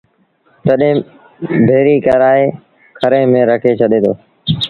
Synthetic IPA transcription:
t̪əɗẽː | bʱeːɾiːkəɾaːeː | kʰəɾẽːmẽːɾəkʰeːt͡ʃʰəɗẽːd̪oː

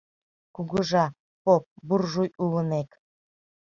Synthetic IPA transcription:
kuɣəʒɑ | pop̚burʒujulənek

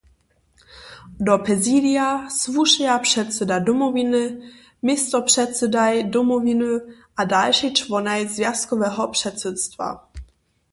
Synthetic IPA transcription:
dɔpɛzidiasvuʃɛjapʂɛt̪sɛdadɔmɔvinɨ | mist̪ɔpʂɛt̪sɛdajdɔmɔvinuʔadalʃit͡ʂvɔnajzvjaskɔvɛːɦɔpʂɛt̪sɛt̪st̪va̰

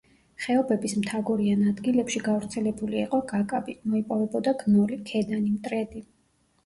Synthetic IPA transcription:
χɛɔbɛbismt̪ʰaɡɔɾianad̪ɡilɛpʃiɡavɾt̪sʰɛlɛbuliiqʼɔɡakʼabimɔipʼɔvɛbɔd̪aɡnɔlikʰɛd̪animt̪ʼɾɛd̪i

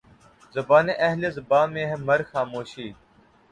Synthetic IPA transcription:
zəbaːneːʔɐɦleːzəbaːmẽːɦeːməɾxaːmoːʃiː

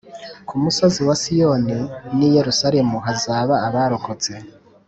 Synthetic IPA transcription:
kʰumusoziwasijoninije̞ɾusaɾe̞muɦazaːβaːβaːɾokot͡se̞

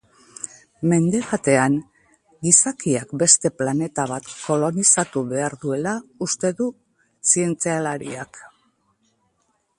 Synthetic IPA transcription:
me̞nd̪e̞βat̪e̞an | ɡisakiakbe̞st̪e̞plane̞t̪aβ̞at̪ko̞lo̞nisat̪uβe̞aɾðue̞laust̪e̞ðu | sie̞nt͡sealaɾḭak

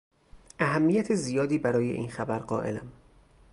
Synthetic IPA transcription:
ʔæɦæmːijæt̪ʰezijɒːd̪iːbæɾɒːje̞̰ʔḭːnxæbæɾɢɒːʔe̞̰læm

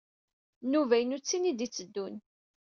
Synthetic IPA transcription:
nːuvæjnut͡sːinid̪it͡sːəd̪ːun

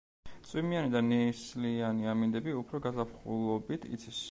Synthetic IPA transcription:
t̪sʼwimianid̪anɛslianiamind̪ɛbiupʰɾɔɡazapʰχṵlˠɔbit̪ʰḭt̪sʰis

